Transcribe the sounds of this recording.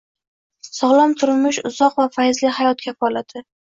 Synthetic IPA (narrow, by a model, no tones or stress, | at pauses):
sɒʁlˠɒmt̪ʰʊɾmɪʃʊzɒqvafajzlɪhajɒt̪̚kʲʰafɒlad̪ɪ